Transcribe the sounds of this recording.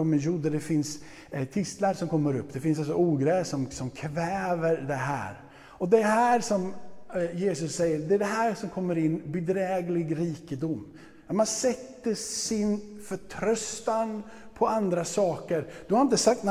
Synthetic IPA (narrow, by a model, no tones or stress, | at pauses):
ɔmɛnjuːd̪əd̪ɛfɪns | t̪ʰɪst̪laɾsɔmkʰɔmːəɾɵpːd̪ɛfɪnsals̬ɔuːɡɾɛːsɔmsɔmkʰvɛːvəɾd̪ɛɦæ̰ːɾ | ɔd̪ɛɦæːɾʂɔmjeːsɵsːɛjːəɾd̪ɛɛɖɛɦæːɾʂɔmkʰɔmːəɾɪnːbɛd̪ɾɛːɡlɪɡɾiːkəd̪ʊmː | amansɛt̪ːəsɪnfœʈʰɾœst̪an | pʰɔand̪ɾasɑːkəɾd̪̥ɵhaɾɪnt̪əsak̚t̪n